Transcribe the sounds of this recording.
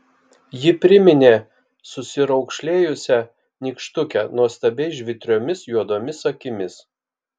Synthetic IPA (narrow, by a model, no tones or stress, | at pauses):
jɪpʲɾʲɪmʲɪnʲeː | sʊsʲɪɾɒʊkʃʲlʲeːjʊsʲɛ | nʲiːkʃt̪ʊkʲɛnuɔst̪ɐbʲɛɪʒʲʋʲɪt̪ʲɾʲoːmʲɪsjuɔd̪oːmʲɪsɐkʲɪmʲɪs